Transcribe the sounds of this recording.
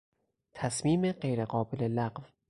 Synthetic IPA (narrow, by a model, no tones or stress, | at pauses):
t̪ʰæsmiːmeɢejɾeɢɒːbelelæɢv